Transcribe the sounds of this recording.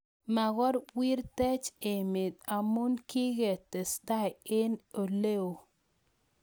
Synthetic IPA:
ma˨ɣɔ˦ɾwi˦ɾtɛ˦t͡ʃe˨mɪ˨d̪a˨mu˦nkɪ˦ɣe˨te˨st̪a˦jɪ˦no˨le˦o˨

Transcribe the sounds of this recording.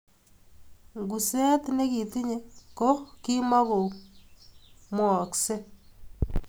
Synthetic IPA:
ŋɡu˨se˦tne˦ki˨ti˦ɲe˦ko˦ki˦ma˦ko˨ | mwɔ˨kse˦

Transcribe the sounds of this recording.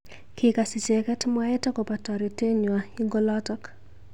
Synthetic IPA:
kɪka˨si˨se˨kɛ˦tmwa˦ɛ˦tɔ˦kɔ˨patɔ˨ɾi˨te˦ɲwai˦ŋɡɔ˦lɔtɔk

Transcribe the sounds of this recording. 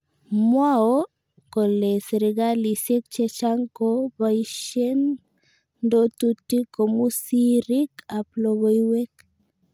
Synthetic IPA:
mwao˦ | ko˨le˨sɾiɡali˨se˦k̚t͡ʃet͡ʃa˦ŋko˦baiʃe˦n | ndo˦tutːi˦ko˨musi˦ɾi˦ka˨ploɣo˦iwe˦k

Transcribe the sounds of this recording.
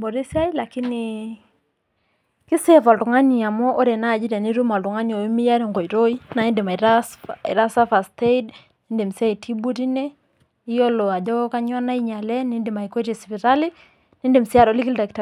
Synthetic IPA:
bɔ˨ɾe˦si˦a˦i˦la˨kɪ˦nɪ | kɪ˦sɛ˦˨fɔ˨ltŋa˦ni˨a˨mɔ˦ʔɾe˨na˦˨d͡ʒi˦ɾɛ˨ni˦ɾu˦ma˨ltɔ˨ŋa˦ni˨ɔ˨i˦mi˦ja˦ɾɛ˦ŋɡɔ˨i˨ɾo˦i˦na˨i˦nde˨ma˨i˨ɾaɪ̰˨ɾa˦sa˦fa˨ste˦id | ne˦nde˨msa˦i˨tʰi˦bu˦ɾi˦nɛ˦ | i˦jɔ˦lɔ˨a˨d͡ʒɔ˦ka˦ɲwa˦na˦i˦ɲa˨lɛ˦nɪ˦ndɪ˨ma˨i˨kɔ˦ɾɛ˨spi˨ɾa˦lɪ˦ | nɪ˦nde˨msa˦ɾɔ˨˦lɪ˦kɪ˦lda˨kta˨

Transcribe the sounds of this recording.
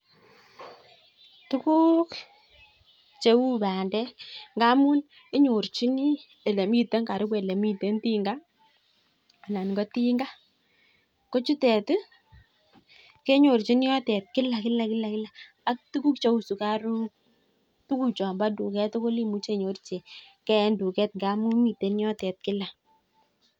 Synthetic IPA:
tu˦ku˦k | t͡ʃe˦wu˦ba˨ndɛ˦ŋɡa˦mu˦n | e˦ɲo˨rt͡ʃi˦ni˦ | e˨le˨mi˦te˦ŋka˨ɾu˦k̬we˨le˨mi˦te˦nti˦ŋɡa˦ | a˨na˨nŋɡɔ˦ti˦ŋɡa˦ | ko˦t͡ʃu˦tɛ˨t | ke˦ɲo˨ɾt͡ʃi˦n˦jɔ˦tɛ˨t̚kɪ˦la˨kɪ˦la˨kɪ˦la˨kɪ˦la˨ | a˨˦k̚tu˦ku˦kt͡ʃo˦u˨su˨ka˦ɾu˦ | tu˦ku˦˨t͡ʃɔ˨mba˦du˨kɛ˦to˦ko˦li˦mu˦t͡ʃe˦˨ɲo˨˦rt͡ʃe˨kɛ˦ndu˨kɛ˦t̚ŋɡa˦mu˦nmi˨te˨˦n˦jɔ˦tɛ˨t̚kɪ˦la˨

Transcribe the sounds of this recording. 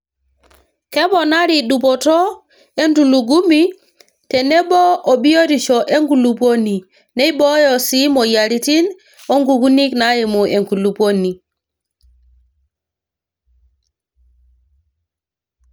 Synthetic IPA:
ke˦ɓo˨na˦ɾi˨ɗu˨po˨to˦ | e˦ntu˨lu˨ɡu˦mi˦ | te˨ne˦bo˦o˨ɓi˦jo˦ti˨t͡ʃo˨ʔe˦ŋɡu˨lu˨po˦ni˨ | ne˦i˦bo˦jo˨si˦mo˨ja˨ɾi˦ti˦n | o˦ŋɡu˨ɡu˦ni˦kna˦ji˨mu˨ʔe˨ŋku˨lu˨po˦ni˨

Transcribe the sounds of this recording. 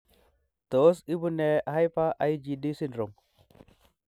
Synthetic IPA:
to˨˦si˦bu˦ne˨ɦa˦jpa˦ʔa˦i˦d͡ʒi˨di˦si˦nɾo˨m

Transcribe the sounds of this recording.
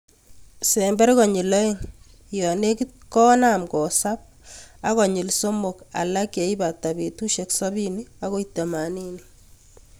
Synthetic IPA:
sɛmbɛ˦rkɔ˨ɲi˨lɔ˦e˦ŋ | jɔ˨ne˦ki˦t̚kɔ˦na˨mkɔ˨sa˦p̚ | a˦kɔ˨ɲɪ˨lso˦mo˨ka̰˨la˦ke˨i˦ba˨ta˨be˨tu˦ʃeksɔ˦binia˦ko˦ita˨ma˨ni˦ni

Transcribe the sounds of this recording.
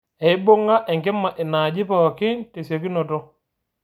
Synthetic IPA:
e˨i˦bo˦ŋɡa˦ʔɛ˨ŋkɛ˦mːa˨ʔe˨na˨d͡ʒi˦pa˦˨wa˨ki˦nte˨se˨ki˦nɔ˨tɔ˦

